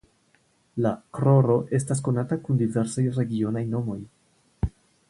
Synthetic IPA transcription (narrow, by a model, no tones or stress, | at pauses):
lakɾo̞ɾo̞ʔe̞stas̬ko̞natakundive̞ɾsajɾe̞ɡio̞najno̞mo̞j